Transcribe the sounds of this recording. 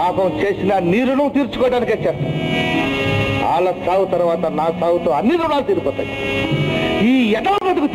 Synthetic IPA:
aːkɐmt͡ʃe̞ːsinɐniːɾunut̪iːɾt͡ʃu̥kɔːɽaːniket͡ʃːɛːst̪aː | a̰ːlɐsaːwut̪ɐɾʋaːt̪ɐnaːsaːwut̪oːɐnːid̪unaːlut̪eːɾukɔːt̪a̰ːjḭ | iːɛʈɐlbɐd̪uku

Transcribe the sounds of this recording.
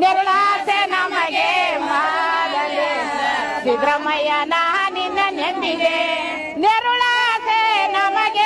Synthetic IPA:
neɾuɭasenɐmɐɡemaːdɐlːi | ʋid̪ɾɐmɐjɐnaɦɐninːɐnend̪iɡe | neɾuɭasenɐmɐɡe

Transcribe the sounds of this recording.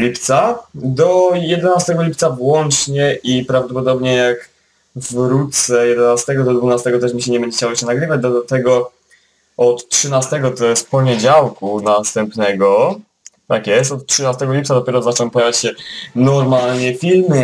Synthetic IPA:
lʲipt̪sad̪ɔjɛd̪ɛnast̪ɛɡɔlʲip̚t̪savwɔnt͡ʂɲɛʔipɾavd̪ɔpɔd̪ɔbɲɛjak | vɾut̪sɛjɛd̪ɛnast̪ɛɡɔd̪ɔd̪vunast̪ɛɡɔt̪ɛʂmʲiɕɛɲɛbɛɲd͡ʑɛkt͡ɕawɔɕɛnaɡɾɘvad͡ʑd̪ɔat̪ɛɡɔ | ɔt̪tʂɘnast̪ɛɡɔt̪ɔjɛst̪pɔɲɛd͡ʑawkunast̪ɛmpnɛɡɔ | t̪akjɛst̪ɔt̪tʂɘnast̪ɛɡɔlʲipt̪sad̪ɔpʲɛɾɔzat͡ʂɛɛ̃mpɔjavʲjat͡ɕɕɛnɔɾmalɲɛfʲilmɘ

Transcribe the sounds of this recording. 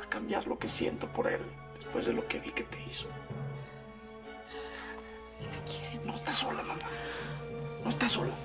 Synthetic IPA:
akambjaɾlo̞ke̞sje̞̰nt̪o̞po̞ɾe̞̰l | d̪e̞spwe̞zðe̞lo̞ke̞βike̞t̪e̞iso̥ | ket̪ekjeɾeno̞est̪aso̞lamãma | no̞est̪aso̞la

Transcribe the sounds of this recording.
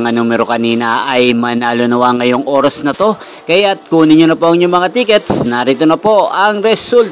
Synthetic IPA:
ŋanuːmɛɾo̞kɐniːnɐʔɐjmɐnalʊnɐwaŋɐjo̞ŋʔo̞ːɾɐsnɐt̪o̞ | kɐjat̪̚kuːnɪɲonɐpo̞ɐŋɲʊmɐŋat̪iːkɛt̪̚snɐɾit̪onɐpo̞ʔɐŋɾɛsult̪

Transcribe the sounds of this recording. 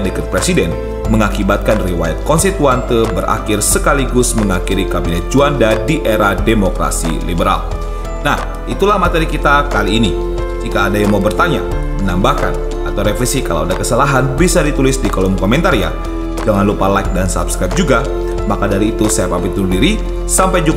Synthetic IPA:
dəkat̪̚pɾesidɛn | məŋakibat̪̚kanriwajat̪̚kɔnsit̪uant̪əbəɾʔa̰kɪrsəkaliɡʊsməŋakiɾikabinɛt̪̚d͡ʒuandadiʔeɾademokɾa̰sḭlḭbəɾa̰l | nah | ʔit̪ulahmat̪eɾikit̪akaliːni | d͡ʒikaːdajaŋmawbərt̪aɲa̰mənambahka̰n | at̪awɾefɾɛsikala̰wadakəsalaɦanbisadit̪ulɪsdikolɔmkɔmɛnt̪aɾija̰ | d͡ʒaŋanlupalajk̚dansa̰pskɾajp̚d͡ʒuɡa | makadaɾiːt̪usajapabit̪̚uldiɾi | sampajd͡ʒu

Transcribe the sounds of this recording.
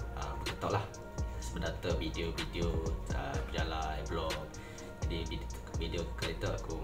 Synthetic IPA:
əmbəkət̪aʔlah | səbədat̪əvidiovidioə̰bəd͡ʒalajblɔk̚ | d͡ʒadibi | vidiokəɾet̪əaku

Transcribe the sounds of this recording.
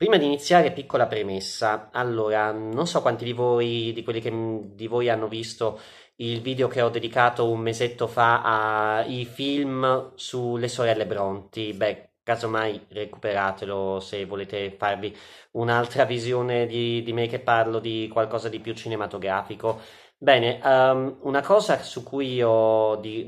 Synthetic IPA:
pɾiːmad̪init̪sːjaːɾepikːolapɾemesːaalːoːɾanonsɔkːwant̪id̪ivojd̪ikwelːik̟ed̪ivojanːovist̪o | ilviːd̪eokeɔd̪ːed̪ikaːt̪oummezet̪ːofaaifilmsulesoɾɛlːebɾɔnt̪ibɛ | kːazomajreku̥peɾaːt̪elosevːoleːt̪efarvi | unalt̪ɾavizjoːned̪id̪imek̟ːepːarlod̪ikwalkɔːzad̪ipjut͡ʃinemat̪oɡɾaːfiko | bɛːneʔunakɔːzasukːujiɔd̪i

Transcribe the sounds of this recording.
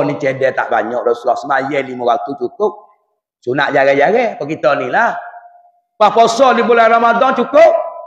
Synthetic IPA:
nit͡ʃɛdɛt̪a̰ʔba̰ɲɔʔdɔsulɔsumajɛlimowat̪ut͡ʃukoʔ̚ | sunaʔd͡ʒaɡɛd͡ʒaɣɛkɔkit̪ɔnila | wapɔsɔlibolaɾamadɔnt͡ʃukok̚

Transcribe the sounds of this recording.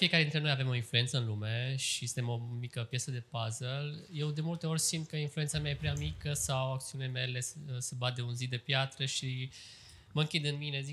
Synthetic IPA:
fiekaɾed̪int̪ɾe̞nojave̞mo̞influent̪səɨnlume̞ʃisɨnt̪emo̞mikəpjesəd̪e̞pazelje̞wd̪e̞mult̪e̞o̞ɾʲsind̪̚kəinflujent̪samjaje̞pɾeamikəsawak̚t̪siunilemele̞səbat̪d̪eunzid̪e̞pjat̪ɾəʃi | məɨŋkʲid̪ɨnmine̞zi

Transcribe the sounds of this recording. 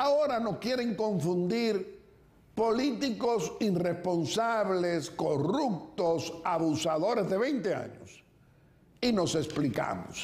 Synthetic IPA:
ao̞ɾano̞skje̞ɾe̞ŋko̞ɱfund̪iɾ | po̞lit̪iko̞sire̞spo̞nsaβle̞sko̞rup̚t̪osaβusaðo̞ɾe̞zðe̞βejnt̪ea̰ɲo̰s | ino̞se̞splika̰mo̰s

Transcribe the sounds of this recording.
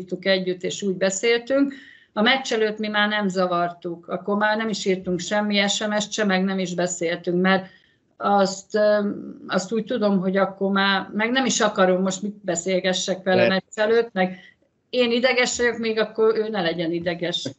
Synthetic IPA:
t̪ukɛɟːyt̪ːeːʃuːɟbɛseːlt̪yŋk | ɒmɛt͡ʃːɛløːt̪mimaːrnɛmzɒvɒrt̪ukʰɒkːo̞rmaːrnɛmiʃiːrt̪uŋkʃɛmːiɛʃɛmɛʃt̪t͡ʃɛmɛɡnɛmiʒbɛseːlt̪yŋkmɛr | ɒst̪ | ɒst̪uːc̚t̪ud̪o̞mɦo̞ɟɒkːo̞rmaːrmɛɡnɛmiʃɒkɒɾo̞mːo̞ʃt̪mit̪bɛseːlɡɛʃːɛkʋɛlɛmɛt͡ʃːɛløːt̪mɛɡ | eːnid̪ɛɡɛʃʋɛjo̞kmeːɡɒkːo̞ɾøːnɛlɛɟɛnid̪ɛɡɛʃ

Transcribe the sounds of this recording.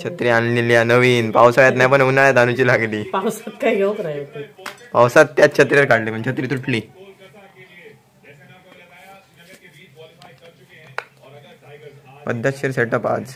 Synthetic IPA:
t͡ɕʰət̪ɾianliljanəʋiːnpawsaɭjat̪najpəɳunaɭjad̪ʱanut͡ɕiːlaɡliːpawsat̪̚kjaɡewknajokəpawsat̪ːjat͡ɕʰət̪ɾjiɾkaɽlim̤əɳt͡ɕʰət̪ɾiːt̪uʈʰliː | pəd̪ʱːjaɕiɾseʈəpa̰t͡s

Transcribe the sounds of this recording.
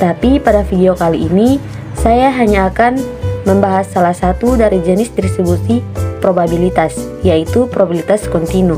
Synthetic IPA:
t̪apipadafideokaliʔːni | sajaɦaɲaːkanməmbaɦasːalahsat̪udaɾid͡ʒənɪsd̪iɾisibusipɾobabilit̪as | jait̪upɾobilit̪askɔnt̪inu

